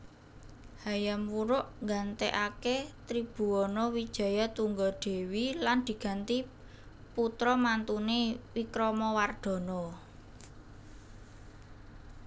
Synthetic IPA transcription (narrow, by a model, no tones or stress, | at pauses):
hajamwuɾʊʔŋɡant̪eʔaket̪ɾib̥ṳɔnɔwid̥ʒ̥a̤jat̪uŋɡɔɖ̪̥e̤wiland̪̥i̤ɡ̥a̤nt̪i | put̪ɾɔmant̪unewikɾɔmɔward̪̥ɔ̤nɔ